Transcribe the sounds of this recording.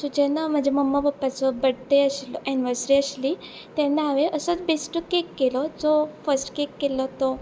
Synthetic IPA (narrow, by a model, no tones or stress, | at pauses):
sud͡ʑẽnam̤əd͡ʑeməmːabəpːat͡sɔbəɽt̪eəɕlʔiniʋəɾsɾiəɕli | t̪ɛ̃nːaːʋeʔəsət͡sbesʈəkekːelɔd͡zɔfəsʈkekːelɔt̪ɔ